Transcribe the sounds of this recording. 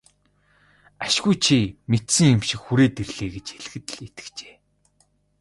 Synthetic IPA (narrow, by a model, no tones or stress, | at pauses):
aʃɣujt͡ɕʰimet̪sɘ̆ŋjʊmʃɪ̆kxuɾeːt̪erɮ̥eːɡet͡ɕxeɮ̆xɘ̆t̪̆ɮet̪ɘ̥̆kt͡ɕe̥ː